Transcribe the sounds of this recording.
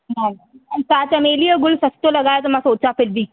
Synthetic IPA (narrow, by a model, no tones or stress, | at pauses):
nan | əkat̪əmelijəɡulsəst̪oləɡajat̪əmasot͡safɪlbiː